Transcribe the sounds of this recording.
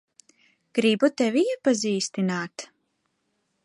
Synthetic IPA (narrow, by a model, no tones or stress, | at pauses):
ɡ̥ɾibut̪ɛviiɛpaziːst̪inaːt̪